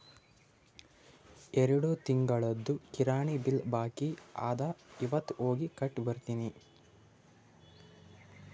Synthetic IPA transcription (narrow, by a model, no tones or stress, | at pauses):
eɾɐɽut̪iŋɡɐɭɐd̪ːukiɾaːɳibilbaːkia̰ːd̪ɐiʋɐt̪ːoːɡikɐʈːbɐɾt̪ini